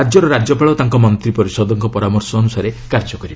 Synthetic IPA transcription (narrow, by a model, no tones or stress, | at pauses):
ad͡ʒɔɾɔɾad͡ʒjɔpaɭɔt̪aŋkɔmɔnt̪ɾipɔɾisɔd̪ɔŋkɔpɔɾamɔɾsɔːnusaɾekaɾd͡ʒɔkɔɾib